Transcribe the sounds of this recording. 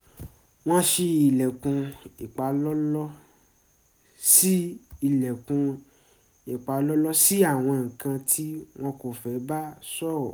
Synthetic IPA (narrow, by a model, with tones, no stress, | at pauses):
w̃ɔ̃˦ʃe˧i˨lɛ˨kũ˧i˨k͡pa˨˦lɔ˦lɔ˦ | si˦i˦˨lɛ˨kũ˧ | i˨k͡pa˨˧˦lɔ˦lɔ˦si˦a˦˨w̃ɔ̃˧ŋ̩˨kã˧tʰi˦w̃ɔ̃˦ko˨fɛ˨˦ba˦sɔ˦˨ɔ˨